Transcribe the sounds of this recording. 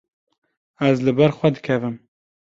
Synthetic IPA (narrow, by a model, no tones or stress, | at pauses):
æzlɨbɛɾxʷɛd̪ɨkʰɛvɨm